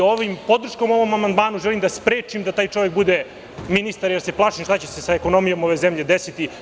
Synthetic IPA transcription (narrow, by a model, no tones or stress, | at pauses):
oʋimpo̞d̪r̩ʂko̞mo̞ʋo̞mamand̪maːnuʒelimd̪aspɾe̞ːt͡ʃimd̪at̪aːjt͡ʂo̞ʋek̚bud̪e̞ | minist̪aɾjeɾse̞plˠaːʃimʃt̪at͡ɕesesaeko̞no̞mijo̞mo̞ʋe̞zemʎe̞d̪esit̪i